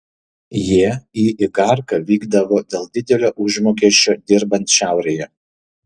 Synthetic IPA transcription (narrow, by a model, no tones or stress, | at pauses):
jiɛiːʔɪkɐɾkɐʋʲiːɡd̪ɐʋoːd̪ʲeːlˠd̪ʲɪd̪ʲɛlʲoːʔʊʒmoːkʲiɛʃʲt͡ʃʲoːd̪ʲɪɾbɐnʲt̪ʃʲæˑʊɾʲejɛ